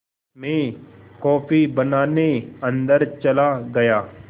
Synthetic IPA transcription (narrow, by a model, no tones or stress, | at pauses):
mẽːkɔːfʰibənaːneɐ̃nd̪əɾt͡ʃɐlaɡɐjaː